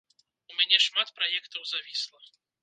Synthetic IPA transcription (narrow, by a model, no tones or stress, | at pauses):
umʲanʲɛʂmat̪pɾajɛkt̪ɐwzavʲislˠɐ